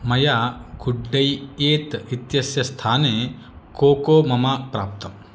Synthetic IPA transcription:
mɐjaɡuɖːɐjeːt̪it̪jɐsjɐst̪ʰaːneː | koːkoːmɐmapɾa̰ːp̚t̪ɐm

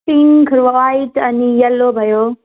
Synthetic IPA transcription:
iŋkʰɾʋɐʋaːit̪ɐnijɐlːobʱɐjoː

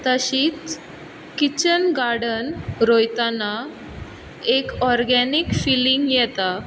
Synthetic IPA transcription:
t̪əɕiːt͡s | kit͡ɕənɡaɽənɾojt̪ana | ekɔɾɡɛnikfiliŋɡjɛt̪a

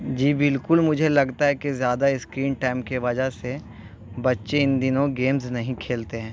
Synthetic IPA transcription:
d͡ʒiːbɪlkʊlmʊd͡ʒʱelɐɡt̪aɦɛkezjaːd̪aɪskɾiːnʈaːɪmkeʋɐd͡ʒaɦse | bɐtːʃeɪ̃nd̪ɪnõɡeːmznɐɦĩkʰeːlt̪eɦɛ̃ː

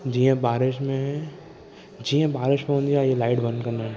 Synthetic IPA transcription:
d͡ʒiːẽbaːɾɪʃmẽɦɛ | d͡ʒiːẽbaːɾɪʃmẽɦõnd̪ijajelaːɪʈbɐ̃nkɐɾnaɦɛ̃

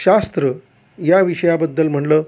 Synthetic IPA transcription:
ɕast̪ɾə | jaʋiɕəjabəd̪ːəlm̤əɳləː

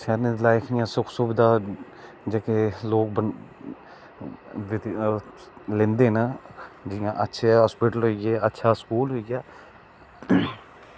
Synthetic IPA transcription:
sɛːɾned̪laːɪkʰjãːsʊkʰsʊːbd̪aː | d͡ʒekeːloːk̚bə | ʋ̪ | lẽːnd̪eːnəd͡ʒɪjãːʔətːʃʰeːɦɔːspiːʈəlɦoːiɡeːʔətːʃʰaːskuːlɦoːiːɡaː

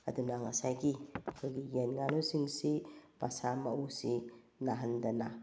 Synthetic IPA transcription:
ɐ̰dunaŋasajɡiɐkʰojɡijenŋalosiŋsipasamaʔusi | naɦandɐna

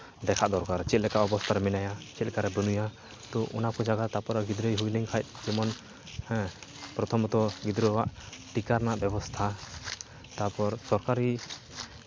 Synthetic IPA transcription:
d̪ɛkʰaʔd̪ɔɾkaɾt͡ʃɛt̪̚lɛkaʔɔbɔst̪ʰaɾɛminajat͡ʃɛt̪lɛkaɾɛbənuja | t̪ɔʔṵnakɔd͡ʒaɡat̪apɔɾaɡid̪ɾəjɦujliŋkʰajt̪̚ˀd͡ʒɛmɔn | hɛ̃pɾɔt̪ʰɔmt̪ɔɡid̪ɾəwaʔʈikaɾnaʔbɔbɔst̪ʰa | t̪apɔɾsɔɾkaɾi

